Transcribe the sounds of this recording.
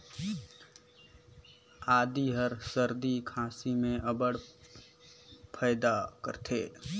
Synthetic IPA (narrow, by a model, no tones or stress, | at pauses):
aːd̪iɦəɾsəɾd̪ikʰãːsimẽʔəbəɽ | pʰəːd̪akəɾt̪ʰeː